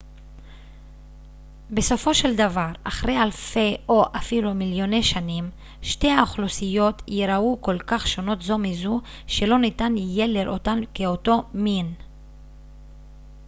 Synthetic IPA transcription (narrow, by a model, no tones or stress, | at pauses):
be̞so̞fo̞ʃe̞ld̪avaʁa̰χʁe̞jalfe̞o̞ʔafilumiljo̞ne̞ʃanim | ʃte̞jaoχlosijo̞t̪jeɾauko̞lkaχʃo̞no̞tzo̞mizu | ʃe̞lo̞nitanije̞leɾʔo̰tankeo̞to̞min